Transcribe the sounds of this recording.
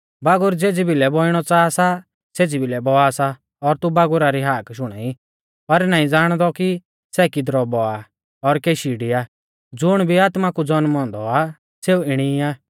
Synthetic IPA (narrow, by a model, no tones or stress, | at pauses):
baːɡʊɾd͡zeːd͡zibɪlɛbɔɪɽ̃ɔt͡saːsa | seːd͡zibʱɪlɛbɔasa | ɔɾt̪ubaːɡʊɾaɾiɦaːkʃʊɽ̃ɛ̰i | pɐɾnaːĩd͡zaːɽ̃d̪ɔki | sɛːkɪd̪ɾɔbɔa | ɔɾkeːʃiɖiaː | d͡zʊɽ̃bʱiaːt̪makud͡zɔnmɦɔ̃ːnd̪ɔa | seːuɪɽ̃iaː